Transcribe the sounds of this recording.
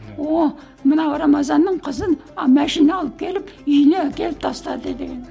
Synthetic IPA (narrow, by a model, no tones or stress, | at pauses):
wo | mənɑwɾɑmɑzɑnːəɴqʰəzənmæʃinɑɑlˠəp̚kʲʰe̞lɪpʏjnekʲe̞lɪp̚t̪ʰɑst̪ɑd̪əd̪ed̪ḛɡʲe̞n